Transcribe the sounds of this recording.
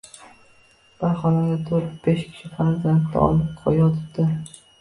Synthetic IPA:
b̥aɾχɒnaɡʲat̪ʰoɾt̪̚b̥eʃkʲʰɪ̥ʃɪfaɾzant̪nɪ̰ɒ̰lˠɪp̚qʰɒ̰jɒt̪ʰɪp̚d̪̥ɪ

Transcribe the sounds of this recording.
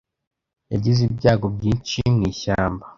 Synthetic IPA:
jaɟizibɟaːɡo̞b̚ɟiːnt͡ʃimŋiːçaːmba

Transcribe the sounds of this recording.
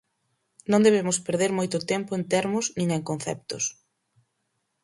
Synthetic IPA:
nõŋd̪eβemʊspeɾðeɾmojt̪ʊt̪ɛmpʊent̪ɛɾmʊznĩŋeŋkon̟θɛ̰p̚t̪ʊ̰s

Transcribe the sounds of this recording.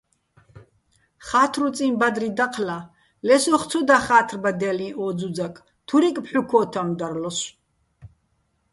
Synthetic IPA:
χat̪ʰrut͡sʼinbad̪rid̪aqʰla | lɛsɔχt͡sʰɔd̪aχaːt̪ʰrbad̪ɛlĩʔɔːd͡zud͡zakʼ | t̪ʰuɾikʼpħukʰɔːt̪ʰamd̪arlɔs

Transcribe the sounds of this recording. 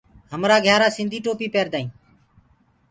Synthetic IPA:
ɦəmɾaːɡʱjaːɾaːsɪ̃nd̪ʱiːʈoːpiːpeːɾd̪aːĩː

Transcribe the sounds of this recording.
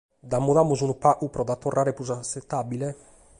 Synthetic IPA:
d̪amːuðamuzunupaʔupɾɔd̪at̪ːorːʔaːɾepuzaset̪ːabile

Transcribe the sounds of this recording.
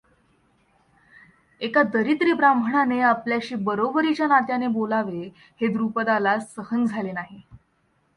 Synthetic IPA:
ekad̪əɾit̪ɾiːbɾambʱəɳaneapljaɕiːbəɾobəɾit͡ɕjanat̪janebolaʋe | hed̪ɾupəd̪alasːəhənd͡zʱalenaɦi

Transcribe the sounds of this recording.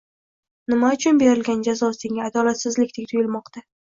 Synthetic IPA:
nɪmaʊt͡ʃʰʊnbe̞ɾɪlɡʲand͡ʒazɒseŋʲaːd̪ɒlat̪sɪzlɪkʲt̪ʰek̚ʲt̪ʰʊjɪlˠmɒqt̪ʰa

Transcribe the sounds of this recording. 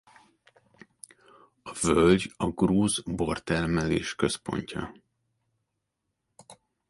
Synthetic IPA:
ɒvølɟɒɡruːzbo̞rt̪ɛrmɛleːʃkø̞spo̞̰ɲcʰɒ̰

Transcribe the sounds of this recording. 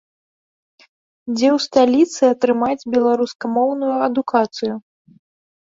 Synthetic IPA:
d͡zʲɛwst̪alʲit̪sɨɐt̪ɾɨmad͡zʲbʲɛlˠaɾuskɐmɔwnujuɐd̪ukat̪sɨju

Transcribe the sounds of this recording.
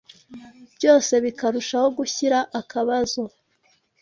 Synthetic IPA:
b̥jo̞ːse̞βikaɾuʃaho̞ɡuçiɾaʔakaβazo̞

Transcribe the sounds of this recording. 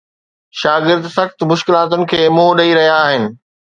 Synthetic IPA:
ʃaːɡɪɾd̪sɐxt̪̆mʊʃkɪlaːt̪ʊnɪ̆kʰeːmũːɗɐiɾɐɦijaːɦɪnɪ̆

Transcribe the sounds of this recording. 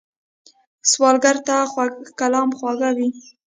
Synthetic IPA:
swɑlɡaɾt̪axakalɑmxwɑɣawi

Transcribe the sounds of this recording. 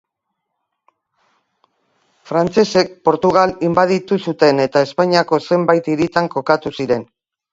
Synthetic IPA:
fɾant͡se̞se̞k̚po̞ɾt̪uɣ̞alimbað̞it̪usut̪e̞ne̞t̪ae̞spaɲiako̞se̞mbajt̪iɾit̪aŋko̞kat̪usiɾe̞n

